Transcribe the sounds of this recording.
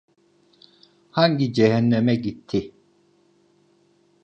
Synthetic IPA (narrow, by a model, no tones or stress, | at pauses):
haɲɟid͡ʒɛɦɛnːɛmɛɟit̪ʰːi